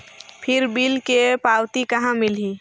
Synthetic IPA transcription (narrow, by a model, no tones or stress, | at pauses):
pʰɪɾbilkepaːwt̪ikəɦãmɪlɦi